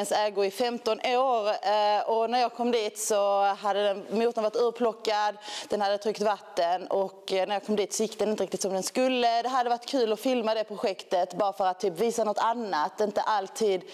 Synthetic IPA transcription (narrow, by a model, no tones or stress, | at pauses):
ənsɛːɡʊɪfɛmt̪ɔnʔoːɾɔnæɾjɑːɡ̚kʰɔmːd̪iːt̪sɔɦad̪ːəd̪ɛnmuːt̪ːənvaʈ̪ːʉːpʰlɔkːad̪d̪ɛnhad̪ːət̪ʰɾʏkt̪vat̪ːənɔknæjɑːɡkʰɔmd̪iːt̪sɔjɪk̚d̪ɛnɪnəɾɪk̚t̪ɪt̪sɔmd̪ɛnskɵlːəd̪ɛɦad̪ːəvaʈːkʰʉ̟ːlɔfɪlmad̪ɛpʰɾʊɧɛkt̪ət̪bɑːɾafœɾat̪ʰːyːpviːsanɔt̪ːanːat̪ɪnt̪əʔalt̪ʰiːd̪